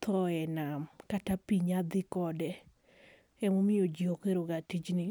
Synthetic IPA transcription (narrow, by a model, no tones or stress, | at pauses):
t̪ʰɔɛnamkatapiɲad̪ɪkɔdɛ | ɛmomɪod͡ʒiokeɾoɡatid͡ʒnɪ